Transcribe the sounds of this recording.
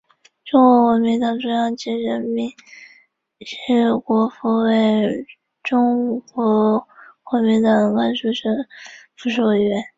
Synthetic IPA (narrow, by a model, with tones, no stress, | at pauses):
ʈ͡ʂʊ˥ŋkwɔ˧˥xwə˧˥nmi˧˥ŋt̪ɑ˨˩ŋʈ͡ʂo˥jɑ˥˩ŋt͡ɕi˧˥ɻə˧˥nmi˧˥˦ŋ | ʂ̩˥kwɔ˧˥fu˧˥we˥˩ɪ | ʈ͡ʂʊ˥ŋkwɔ˧˥xwə˧˥mi˧˥ŋt̪ɑ˨˩ŋla˥nʂu˥˩ʂə˥nfu˧˥ʂo˥˩ɥɛ˧˥n